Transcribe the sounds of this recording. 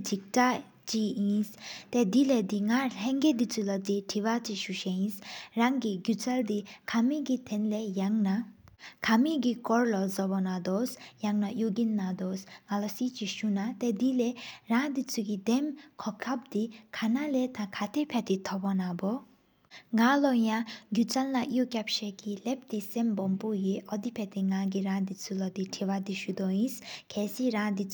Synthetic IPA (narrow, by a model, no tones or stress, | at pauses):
d͡ʒʱik̚ta | t͡ʃiĩst̪ɛd̪iled̪iŋalɛŋɡed̪it͡sulad̪iʈʰiβat͡ʃiʃuʃeĩsɾaŋɡiɡut͡sald̪ikʰamiɡit̪ʰɛnlejaŋnakʰamiɡikɔɾlɔzɔbɔnad̪ɔsjaŋnajoɡinːad̪ɔsŋalɔsit͡ʃiʃunat̪ed̪ileɾãd̪it͡sʰuɡid̪emkʰɔkʰab̚d̪ikʰanalet̪ʰãkʰat̪ʰepʰɛt̪it̪ʰɔbɔnabɔ | ŋalɔjãɡjut͡salnaʔjokɛpʃekilɛp̚t̪isembɔmpujeʔɔd̪ipʰɛt̪iŋaɡiɾãd̪it͡sʰulɔd̪iʈʰiwad̪iʃud̪ɔĩskʰɛsiɾãd̪it͡s